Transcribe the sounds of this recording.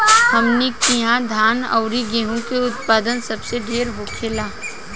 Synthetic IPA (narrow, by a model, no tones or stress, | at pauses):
hɐmnikiɦãd̪ʱaːnə̰ʊɾiɡeːɦũkeʊt̪̚paːd̪ənsɐbseɖʱeːɾɦoːkʰeːlaː